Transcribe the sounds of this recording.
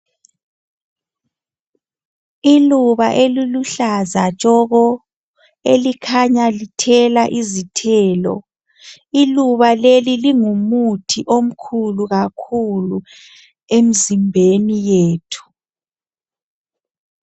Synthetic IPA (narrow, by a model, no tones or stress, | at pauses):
iluβaʔeliluɬazat͡ʃʼɔɣɔ | elikʰaɲalitʰɛlaʔizitʰɛːlɔ̰ | iluβaleliliŋumutʰiʔom̩kʰuluɣakʰulu | em̩zimbʱenijeːtʰu̥